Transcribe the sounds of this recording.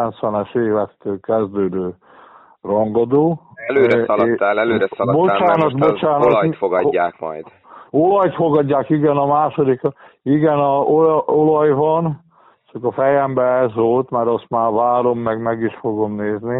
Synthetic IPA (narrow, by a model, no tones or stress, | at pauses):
ɛnt̪sʋɛnɛʃeːvɛtt̪ːøːlkɛzd̪øːd̪øː | rɒŋɡɒd̪oːløɛt̪ːalɛløːɾɛsbot͡ʃaːnɒdt̪bot͡ʃaːnɒfoɡɒːaːkmɒ̰jd̪ | olɒjt̪fo̞ɡɒɟːaːkiɡɛnɒmaːʃod̪ik | iɡɛnɒoolɒjvɒn | t͡ʃɒkɒfɛjɛmbɛɛzʋolt̪maɾɒst̪maːvaːɾo̞mːɛɡmɛɡiʃfo̞ɡo̞mneːzni